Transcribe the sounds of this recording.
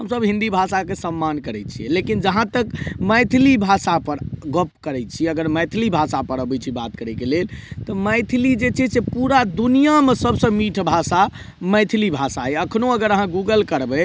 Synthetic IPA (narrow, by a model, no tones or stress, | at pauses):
ɦəmsəbɦĩnd̪ibʱasakesəmːankəɾɛt͡ʃʰijɛ̰lekind͡ʒəɦãt̪əkməjt̪ʰilibʱasapəɾɡəp̚kəɾɛt͡ʃʰiəɡəɾməjt̪ʰilibʱasapəɾəbɛt͡ʃʰibat̪kəɾɛkelelt̪ɔməɪt̪ʰlid͡ʒet͡ʃʰɛsepuɾad̪unijamesəbʱsə̃miʈʰbʱasa | məjt̪ʰlibʱasaɛəkʰnoəɡəɾəɦãɡuɡəlkəɾbɛ